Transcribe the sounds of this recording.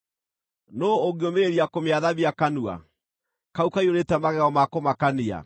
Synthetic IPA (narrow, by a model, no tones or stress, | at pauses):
noːɣeomeeɾiakomeaðaβjakanua̰ | kaukaioɾetɛmaɣɛɔmakomakania̰